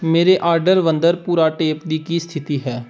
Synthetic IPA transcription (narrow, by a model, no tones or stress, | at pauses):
meːɾeʔaːɾɖəɾʋə̃nd̪əɾpuːɾaʈeːpd̪ikist̪ʰɪt̪iɦɛː